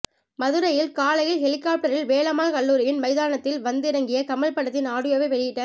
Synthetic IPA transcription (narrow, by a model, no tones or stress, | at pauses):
mɐðɯɾɐjɪlkaːlɐjɪlɦɛɭɪkːaːp̚ʈɐɾɪlʋeːɭɐmaːɭkɐɭːuːɾɪjɪnmɐɪðaːnɐt̪ːɪlʋɐnd̪ɪɾɐŋɡɪjɐkɐmɐɭpɐɽɐt̪ːɪnaːɽɯjoːʋɐɪʋɛɭɪjɪʈːɐ